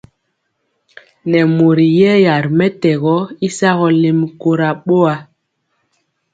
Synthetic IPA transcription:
nɛ˨mo˨ɾi˨jɛ˦ja˨ɾmɛ˦tɛ˨ɣɔ˦i˦sa˦ɣɔ˨le˦mko˦ɾa˨ɓo˦a˨˦

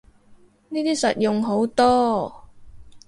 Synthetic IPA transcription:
niː˥t̪iː˥sɐ̰˨t̚jʊ˨ŋɦo˨˥wt̪ɔː˥

